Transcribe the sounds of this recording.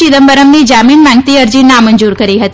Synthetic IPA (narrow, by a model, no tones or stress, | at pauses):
id̪əmbəɾəmnid͡ʒaminmãŋɡ̚t̪iəɾd͡ʒinãməɲd͡ʒuɾkəɾiɦət̪i